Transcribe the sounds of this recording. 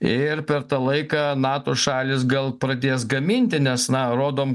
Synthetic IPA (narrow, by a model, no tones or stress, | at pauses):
ɪɾpʲɛɾt̪ɑlˠɐɪkɑːnɑːt̪oːʃɑːlʲɪs̬ɡɐlˠpɾɐd̪ʲeːsɡɐmʲinʲt̪ʲɪnʲɛsnɐɾoːd̪oːm